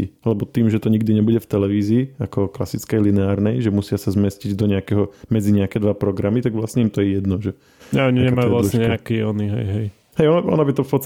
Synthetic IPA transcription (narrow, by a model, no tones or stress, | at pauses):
ḭalɛbɔt̪iːmʒɛt̪ɔɲiɡd̪iɲɛbuɟɛft̪ɛlɛʋiːziːakɔklasit͡skɛjlinɛaːɾnɛjʒɛmusɪasazmɛsciɟd̪ɔɲɛakɛɦɔmɛd͡ziɲɛakɛd̪ʋapɾɔɡɾamit̪aɡʋlasɲɛimt̪ɔjɛjɛd̪nɔʒɛ | ɲɛɔɲiɲɛmajjuasʃɲɛɲɛakiɔniɦɛ̰jɦɛj | ɦɛjɔnʔɔ̰nɔbit̪ɔfpɔt̪st̪